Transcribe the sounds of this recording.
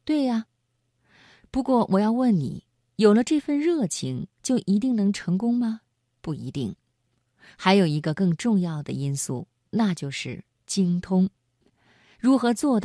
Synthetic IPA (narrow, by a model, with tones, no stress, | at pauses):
t̪we˥˩ɪɐ˩ | pu˧˥kwɔ˥˩wʔɔ˨˩jɑ˥˧ʊwə˥˩nnḭ˨˩˦ | jo˨˩ʊlə˦ʈ͡ʂɤ˥˧fə˥˧nɻɤ˥˩t͡ɕʰi˧˥ŋt͡ɕjo˥˩ʊʔi˧˥t̪i˥˩ŋnɤ˧˥ŋʈ͡ʂʰɤ˧˥ŋkʊ˥ŋmɐ˨ | pu˥˩i˧˥t̪i˥˩ŋ | xa˧˥ɪjo˨˩ʊi˧˥ɡə˧kɤ˥˧ŋʈ͡ʂʊ˥˧ŋjɑ˥˩ʊd̪ə̰˩i˥nsṵ˥˩ | na˥˧t͡ɕjo˥˧ʊʂɻ̩˥˩ | t͡ɕi˥ŋt̪ʰʊ˥ŋ | ɻu˧˥xɤ˧˥t͡swɔ˥˧d̪